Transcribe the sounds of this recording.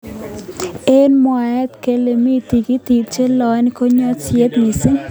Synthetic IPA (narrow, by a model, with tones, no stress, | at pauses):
e˦nmɔ˨ɛ˦t̪ke˨le˨mi˦t̪i˨ɡi˦t̪i˨t̚t͡ʃe˦lɔ˨n˦ko˦ɲɔ˦sje˦t̪mi˨sɪ˦ŋ